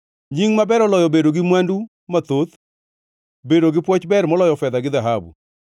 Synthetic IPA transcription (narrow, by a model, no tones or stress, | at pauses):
ɲiŋmabɛɾɔlɔjɔbedoɡɪmwandu | mat̪ot̪ | bedoɡɪpwɔt͡ʃbɛɾmɔlɔjɔfɛd̪aɡɪðaɦabṵ